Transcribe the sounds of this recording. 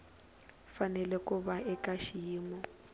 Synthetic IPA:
fanɛlɛkʼʊbaʔɪkʼaʃiːmɔ

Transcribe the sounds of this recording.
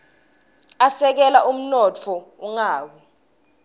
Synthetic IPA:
asɛk̬ɛlaʔum̩nɔt͡fʰɔuŋaːwɛ

